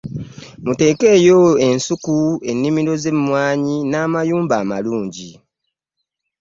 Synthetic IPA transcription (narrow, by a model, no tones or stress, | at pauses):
mute̞ːke̞ːjo̞e̞nsukue̞nːimiɾo̞ze̞mːwaːɲinaːmajuːmbaːmaluːɲɟi